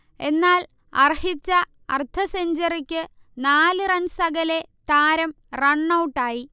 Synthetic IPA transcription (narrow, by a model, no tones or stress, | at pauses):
e̞nːaːl | ɐ̰rhit͡ɕːɐ | ɐ̰rt̪ʰɐseɲd͡ʑɐrikʲːɨ | naːlɨrɐnsɐɡɐle̞t̪aːɾɐm | rɐɳːɐwʈːaːji